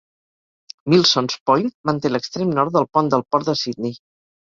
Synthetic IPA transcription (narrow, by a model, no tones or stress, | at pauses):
milˠsɔnspɔjmənt̪eləkst̪ɾemnɔɾt̪̚d̪əlˠpɔnd̪əlˠpɔɾt̪əsid̪̚ni